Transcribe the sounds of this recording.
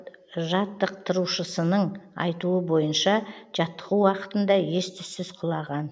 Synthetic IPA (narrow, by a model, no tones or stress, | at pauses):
ʒɑt̪ːəqt̪ʰʊɾuʃəsənəɴɑ̰jt̪uəbo̞jənʃɑʒ̥ɑt̪ːəʁuwɑqə̥t̪ənd̪ɑje̞st̪ɪsɪzqʰʊlˠɑʁɑn